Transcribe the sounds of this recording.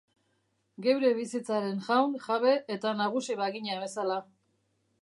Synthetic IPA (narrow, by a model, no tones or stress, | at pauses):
ɡe̞wɾe̞βisit͡saɾe̞nʝawnʝaβe̞ʔet̪anaɣ̞usiβaɣiɲaβe̞sala